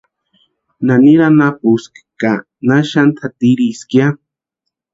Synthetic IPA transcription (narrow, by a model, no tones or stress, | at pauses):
naniɾanapuski̥ka | naʃant̪ʰat̪iɾiskja